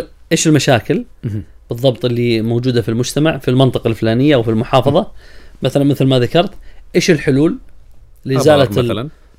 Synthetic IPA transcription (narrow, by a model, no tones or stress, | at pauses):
ʔeːʃɪlmaʃaːkɪl | b̥ɨðˤːɑbt̪ˤʔɪlːimoːd͡ʒuːd̪afilmʊd͡ʒt̪amaʕfilmɑnt̪ˤɨqɑlflaːnɪjːaʔwfilmʊħɑːfɑðˤɑmaθalanmɪθlmaðakɑɾˤt̪ʔeːʃɪlħʊluːlː | ɪzaːlat̪ln